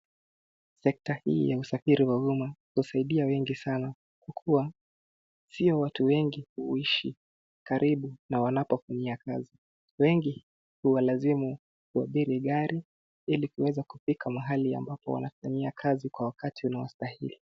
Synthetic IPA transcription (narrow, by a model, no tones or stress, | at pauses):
sɛk̚tahḭːjausafiɾiwaumahusaiɗiawɛŋɡisana | kwakʰuwa | siɔwatuwɛŋɡihuiʃi | kaɾʔiɓunawanapɔfaɲiakazi | wɛŋɡi | huwalazimu | kuaɓiɾiɠaɾʔi | ilikuwɛzakufikʰamaɦalia̰mbapɔ̰wa̰nafaɲiakʰazikwawakatiunawa̰stahḭli